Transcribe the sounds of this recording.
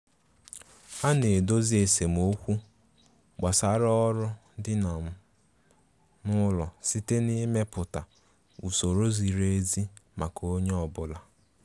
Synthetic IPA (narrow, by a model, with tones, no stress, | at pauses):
a˦ne˨do˦zi˦e˨se˨m̩˨o˦kʷu˦ | ɡ͡ba˨sa˨ɾɔ˦ɾʊ˦ | dɪ˦na˨m̩˦ | nʊ˦lɔ˨si˦te˦ni˦me˦pʊ˨ta˨ | u˨so˨ɾo˦zi˨ɾe˦zi˦ma˨ko˦ɲe˦ɔ˨bʊ˦la˦